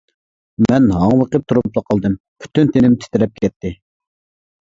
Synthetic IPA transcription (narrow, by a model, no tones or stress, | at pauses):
mɛnɦɑŋwəqəp̚t̪ʰuɾuplˠɑqʰɑlˠd̪ɨm | pʰy̥t̪ʰynt̪ʰenɪmt̪ʰɪ̥t̪ɪɾɛp̚kʲʰɛt̪ʰːɪ